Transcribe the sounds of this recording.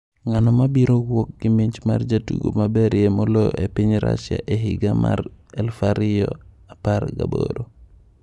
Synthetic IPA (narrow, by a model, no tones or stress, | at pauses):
ŋanɔmabiɾoɡwɔk̚ɡimiɲt͡ʃma̰ɾd͡ʒatuɡomabɛɾjemoloʔepiɲɾa̰sja̰ʔeɦiɡama̰ɾɛlfaɾijɔ | apaɾɡa̰bo̰ɾo